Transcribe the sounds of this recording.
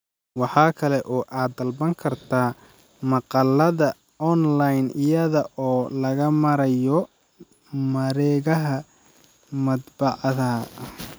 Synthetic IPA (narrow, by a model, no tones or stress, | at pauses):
wɑħɑːkʰɐlɛʔɔːʔaːd̪ːɐlbɐŋkʰɐrt̪ʰaː | mɑqɑlːɐðɐ | ʔɔnlajnɪjɐðɐʔɔːlɐɣɐmɐɾɐjɔ | mɐɾɛːɣɐɦɐ | mɐd̪bɑʕɑðɐ